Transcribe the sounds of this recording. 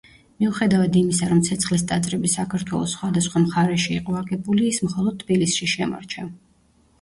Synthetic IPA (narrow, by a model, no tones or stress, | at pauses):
miuχɛd̪avad̪imisaɾɔmt̪sʰɛt̪sʰχlis̬t̪ʼat̪sʼɾɛbisakʰaɾt̪ʰwɛ̰lˠɔsːχwad̪asχwamχaɾɛʃḭːqʼɔaɡɛbuliːsmχɔlˠɔd̪̚t̪ʰːbilisʃiʃɛma̰ɾt͡ʃʰa